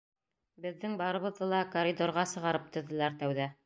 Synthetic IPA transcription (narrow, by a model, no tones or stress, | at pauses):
bɘ̆ðːɘŋbɑɾɤ̆βɤ̆ðːɤlˠɑkoɾʲid̪oɾʁɑsɤ̆ʁɑɾɤp̚t̪ɵ̆ðɘ̆læɾt̪æwðæ